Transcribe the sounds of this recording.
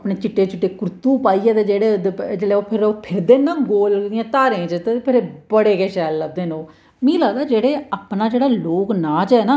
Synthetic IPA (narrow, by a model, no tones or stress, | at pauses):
əpɳeːt͡ʃɪʈːeːt͡ʃɪʈːeːkʊɾt̪uːpaːiːɛːt̪eːd͡ʒeːɽeːd̪d͡ʒeɽeoːpʰɪɾoːpʰɪɾd̪eːnãːɡoːld̪ɪjãːt̪aːɾẽːt͡ʃət̪eepʰɪɾebəɽeːkeːʃɛːlːəɡ̚d̪eːnoː | mĩːlaːd̪aːd͡ʒeːɽeːaːpnaːd͡ʒeːɽaːloːknaːt͡ʃɛːnaː